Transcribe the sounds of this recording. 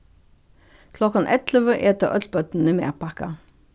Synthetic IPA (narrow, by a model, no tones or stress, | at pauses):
kʰlɔkɑnʔɛ̰t̪ləʋəʔeːt̪əʁʔœ̰t̪lbœt̪n̩ʉmḛːʁpʰɑkɑ